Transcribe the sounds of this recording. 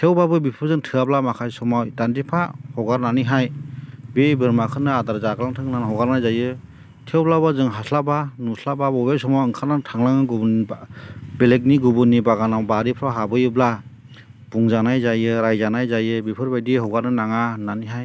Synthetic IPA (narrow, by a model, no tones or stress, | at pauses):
tʰewbabɯbipʰɯɾzɯŋtʰɯablamakʰajsɔmajdandipʰahɔɡaɾnaniɦajbebɯɾmakʰɯnɯadaɾzaɡɯlaŋtʰɯŋnanhɔɡaɾnajzajɯ | tʰewblabazɯŋɦasʰlabanusʰlababɔbejsɔmawɯŋkʰanatʰaŋlaŋɯɡubn | belek̚niɡubɯnibaɡanawbaɾipʰɾaɦabɯjɯbla | b̥uŋzanajzajɯɾajzanajzajɯbipʰɯɾbajdiɦɔɡaɾnɯnaŋananiɦaj